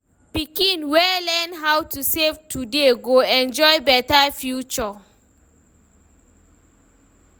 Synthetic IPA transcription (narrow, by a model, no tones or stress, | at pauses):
pikĩnwɛlɛnɦawtʰusevtʰudeɡoɛ̃nd͡ʒɔjbɛtafjut͡ʃɔ